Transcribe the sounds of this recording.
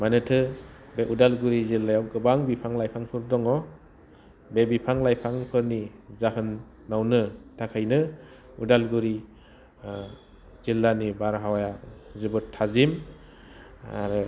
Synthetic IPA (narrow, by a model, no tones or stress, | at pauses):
manɯtʰɯbeʔudalɡuɾizilːajawɡɯbaŋbipʰaŋlajpʰaŋpʰɯɾdɔŋɔ | bebipʰaŋlajpʰaŋpʰɯɾnizaɦɯnː | awnɯtʰakʰajnɯ | udalɡuɾi | zilːanibaɾɦawajazɯbɯtʰːazim | a̰ɾɯ